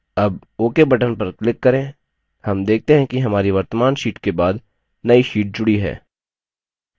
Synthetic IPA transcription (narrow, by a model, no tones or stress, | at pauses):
ɐb | oːkebɐʈənpɐɾklɪkːɐɾẽː | hɐmd̪eːk̚ʰt̪eɦɛ̃kiɦɐmaːɾiʋɐɾt̪əmaːnʃiːʈkebaːd̪ | nɐiʃiːʈ̚d͡ʒʊɽiɦɛ̰ː